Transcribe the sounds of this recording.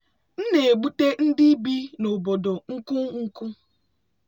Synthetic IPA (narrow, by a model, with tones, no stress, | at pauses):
n̩˦ne˨e˨ɡ͡bu˦te˦n̩˦dɪ˦bi˦nʊ˨bo˨do˨ŋ̩˦kʊ˦ŋ̩˦kʊ˦